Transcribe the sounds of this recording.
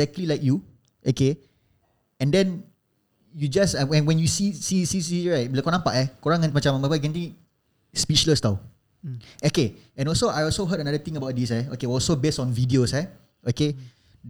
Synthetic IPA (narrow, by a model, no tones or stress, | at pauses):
ɛk̚tlilajkju | ʔoke | ɛ̃ndɛ̃n | jud͡ʒasawɛ̃nwɛ̃njusisisisiɹajt̚biləkɔanãmpaʔɛkoɹãŋanmat͡ʃãmbapəɡɛ̃nt̪ĩ | spit͡ʃləst̪aw | oke | ɛ̃nɔlsoʔajɔlsoɦədənadət̪ĩŋəbaʊt̚disɛokeɔlsobestɔ̃nvidiosɛ | ʔoke